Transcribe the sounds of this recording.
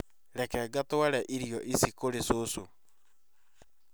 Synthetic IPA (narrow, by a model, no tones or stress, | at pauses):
ɾɛkɛɡatoaɾɛʔiɾijɔʔisikoɾesoso